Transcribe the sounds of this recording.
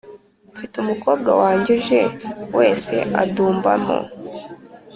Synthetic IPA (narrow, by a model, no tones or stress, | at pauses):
fitumuko̞ːb̚ɡwawaːɲɟeʒewe̞ːse̞̰ʔa̰duːmbamo̰